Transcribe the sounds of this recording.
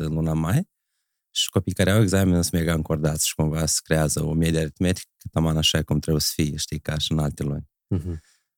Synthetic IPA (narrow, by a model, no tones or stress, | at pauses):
ɨnlunamaj | ʃi̥kopijkaɾeaweɡzamʲenɨsmeɡaɨŋkord̪at̪sʃi̥kumvasə̥kɾeazəomʲed̪ʲiaɾit̪met̪i̥kkːɨ̥t̪amanaʃajkumt̪ɾebujsə̥fiʃt̪ikaʃɨnalt̪elunʲ